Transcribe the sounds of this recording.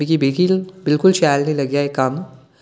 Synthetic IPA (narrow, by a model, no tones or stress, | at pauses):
ikibekilbɪlkʊlʃaːlnĩlɐɡjaekːaːn